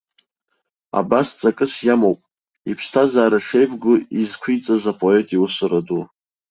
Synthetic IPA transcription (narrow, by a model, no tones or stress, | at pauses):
a̰bast͡sʼakʼɨsjamowpʼ | ipʰstʰazaːɾaʂe̞jbʼɡʷʊizkʷʰijt͡sʼazapʼoe̞tʼiwʊsɨradu